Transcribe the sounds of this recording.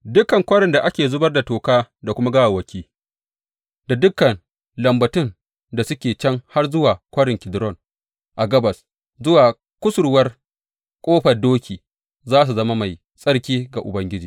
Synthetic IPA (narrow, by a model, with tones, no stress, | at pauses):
dʊ˦kɐ˨ŋkʷɐ˦ɽɪ˨nda˨ʔa˦kʲeː˨zʊ˦bɐ˦rda˨toː˨kaː˦da˨kʷʊ˦ma˦ɡa˦wa˨wɐ˨kʲʰiː˦ | da˨dʊ˦kːɐ˨n | lɐ˨mbɐ˨tɪ˦n | da˨sʊ˦kʲeː˨t͡ʃɐ˦ŋha˦rzʊ˦waː˨kʷɐ˦ɽɪ˨ŋkʲɪ˨dɾɔ˦n | ʔa˨ɡɐ˦bɐ˨s | zʊ˦waː˨ | kʷʊ˦sʊ˨ɾwɐ˦r | kʼoː˦ɸɐ˨rdoː˦kʲiː˨ | zaː˦s̬u˨zɐ˦ma˦ma˨j | sʼɐ˦ɽkʲiː˦ɡa˨ʔʊ̰˨bɐ˦ŋɡʲɪ˦d͡ʒiː˨